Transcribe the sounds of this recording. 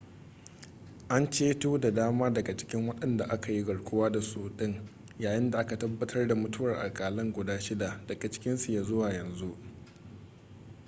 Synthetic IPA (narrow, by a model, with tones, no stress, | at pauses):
ʔa˦nt͡ʃeː˦tuː˦da˨daː˦maː˦dɐ˨ɡa˨t͡ʃɪ̥˦kʲɪ˦ŋwɐ˦ɗɐ˨nda˨ʔa˦ka˨ji˦ɡɐ˨ɽkʷʊ˦waː˦da˨suː˦ɗɪ˦ŋ | jaː˨jɪ˦nda˨ʔa˦ka˨tɐ˦bːɐ˦tʰɐ˦rda˨mʊ˦tʊ˦wɐ˨rʔa̰˨lkʼaː˨lɪ˦ŋɡʷʊ˨daː˦ʃɪ˦da˨d̥ɐ˨ɡa˨t͡ʃɪ̥˦kʲɪ˦nsu˨jaː˨zʊ˦waː˨jɐ˨nzu˦ʔ